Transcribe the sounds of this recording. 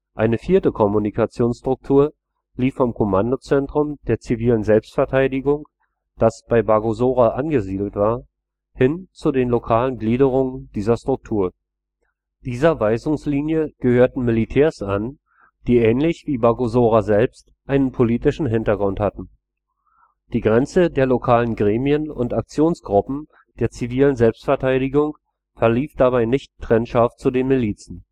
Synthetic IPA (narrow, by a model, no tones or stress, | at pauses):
ʔaɪnəfiːɐtəkʰɔmunikat͡sjoːnsʃtʁ̥ʊk̚tʰuːɐ | liːfːɔmkʰomandot͡sɛntʁ̥ʊmd̥eːɐt͡siviːlənzɛlpstfɛɐtʰaɪdɪɡʊŋ | d̥asb̥aɪbaɐɡozoːʁaʔanɡəziːdl̩tv̥aːɐ | hɪnt͡sudeːnlokʰaːlənɡliːdəʁ̞ʊŋənd̥iːzɐstʁ̥ʊk̚tʰuːɐ | d̥iːzɐvaɪzʊŋsliːnjəɡ̥əhøːɐtn̩mɪlitʰɛːɐsan | d̥iːʔɛːnlɪçv̥iːbaɐɡozoːʁazɛlpst | ʔaɪnənpʰoliːtɪʃn̩ɦɪntɐɡʁʊnthatn̩ | d̥iːɡʁɛnt͡sədeːɐlokʰaːlənɡʁeːmiənʊ̰ntak̚t͡sjoːnsɡ̥ʁʊpm̩ | d̥eːɐt͡siviːlənzɛlpstfɛɐtʰaɪɾɪɡʊŋ | fɛɐliːfd̥abaɪnɪçtʰːʁ̥ɛnʃaft̚t͡sudeːnmɪliːt͡sn̩